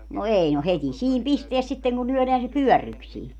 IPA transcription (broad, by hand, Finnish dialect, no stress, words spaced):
no ei no hetʲi siːm pisteæs sitːeŋ ku lyœˑleæn se pyœˑrːyksiː